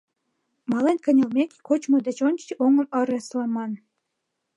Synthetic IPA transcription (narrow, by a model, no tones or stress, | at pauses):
mɑlenʲkə̆nʲɤ̆lmʲekʲkot͡ɕmod̪ɘ̆t͡ɕont͡ɕiʔoŋɤ̆mɤ̆ɾĕslˠɑmɑn